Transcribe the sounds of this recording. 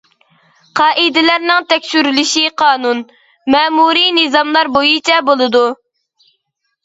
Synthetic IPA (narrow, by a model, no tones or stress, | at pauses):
qʰɑːʔid̪ɪlæɾnɪŋt̪ʰɛkʲsyɾlɪʃiqʰɑːnun | mɛːmuɾinɨzɑmlˠɑɾbojit͡ʃʰɛbolˠɨd̪u